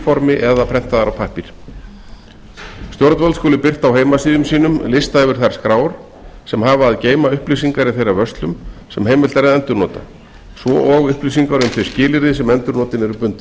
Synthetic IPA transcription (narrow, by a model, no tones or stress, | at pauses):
fɔɾmɪʔɛðapʰɾɛh̪t̪aðaɾawpʰahpiɾ̥ | st̪jɔɾt̪valskɔːlɪpɪr̥t̪awɦeːjmasiːðʏmsiːnʏmlɪst̪aðɛvʏɾ̥θaɾ̥skɾaːwɾ̥ | sɛmɦaːvaaðceːjmaʏhplisiŋkaɾɪθejɾavœst̪lʏmsɛmɦeːjmɪlt̪aɾɛðɛnt̪ʏɾnɔːt̪a̰ | svɔʔɔɣʏhplisiŋkaɾʏmθe̥scɪːlɪɾðɪsɛmɛnt̪ʏɾnɔːt̪ɪnɛɾʏpʏnt̪ɪ